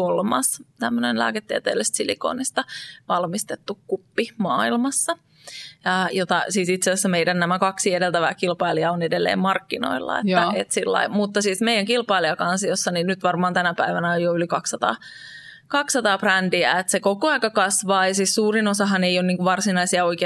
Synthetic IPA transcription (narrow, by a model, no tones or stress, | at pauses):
olmɑ̰st̪æmːønenlæ̰ːket̪ːiə̰t̪ḛːlːist̪silḭko̰ːnist̪ɑʋɑlmist̪et̪ːukkupːimɑːilmɑsːɑ | ɑjot̪ɑsiːsit̪sesæsːæmeidænnæmækɑksiedelt̪æʋæ̰ːkilpɑiliɑonedelːḛːmmɑrkːino̰ilːɑ̰ḛt̪ːæet̪silːɑ̰imut̪ːɑsiːsmeijæŋkilpɑiliɑkɑnsijosːɑninnyt̪ʋɑrmɑːnt̪ænæpæiʋænæojjoylikɑksːɑt̪ɑ̰ː | kɑksɑt̪ɑːprændiæ̰et̪sekokoɑikɑkɑsʋɑːjɑsiːssuːrinosɑɦɑneijonniːŋkuʋʋɑrsinɑisiɑoike